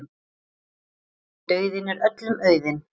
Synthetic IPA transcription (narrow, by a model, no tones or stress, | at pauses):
t̪œɥðɪnɛɾœt̪lʏmœːɥðɪn